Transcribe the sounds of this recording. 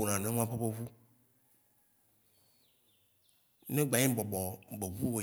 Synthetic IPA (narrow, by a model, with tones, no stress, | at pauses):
o˨nã˨nẽ˦ŋ˦ã˦ɸe˦ɸe˦vu˦ | nẽ˦ɡ͡ba˨ɲĩ˦bɔ˨bɔ˨be˨vu˦wo˨